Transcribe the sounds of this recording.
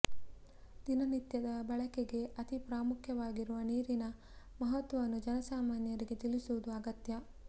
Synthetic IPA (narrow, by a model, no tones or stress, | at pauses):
d̪̥inɐnit̪jɐd̪ɐbɐɭɐkeɡe̞ʔɐt̪ipɾaːmukʰjɐʋaːɡiɾuʋɐniːɾinɐ | mɐɦɐt̪wʋɐʋɐnːud͡ʒɐnɐsaːmaːnjɐɾiɡe̞t̪ilisuʋud̪uɐɡɐt̪jɐ